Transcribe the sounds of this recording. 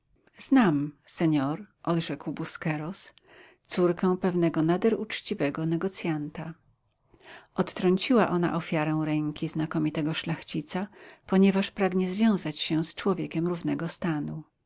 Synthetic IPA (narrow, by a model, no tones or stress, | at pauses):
z̥namsɛɲɔɾʔɔd̪ʐɛkwbuskɛɾɔs | t̪suɾkɛw̃pɛvnɛɡɔnad̪ɛɾut͡ʂt͡ɕivɛɡɔnɛɡɔt̪sʲjant̪a | ʔɔt̪ːɾɔɲt͡ɕiwaʔɔna̰ʔɔfʲjaɾɛ̃w̃ɾɛŋkʲiznakɔmʲit̪ɛɡɔʂlaxt͡ɕit̪sapɔɲɛvaʂpɾaɡɲɛzvʲjɔ̃w̃zat͡ɕɕɛst͡ʂwɔvʲjɛkʲɛmɾuvnɛɡɔst̪anu